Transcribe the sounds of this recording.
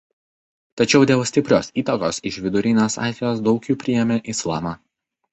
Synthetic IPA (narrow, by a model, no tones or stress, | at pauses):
t̪ɐt͡ʃʲɛʊd̪ʲeːlˠsʲt̪ʲɪpʲɾʲoːsiːt̪ɐkoːsɪʃʋʲɪd̪ʊɾʲɪnʲoːsɑ̰ːzʲɛjoːsd̪ɒʊkʲjuːpʲɾʲɪjɛmʲeːʔɪslˠɑ̰ːmɑː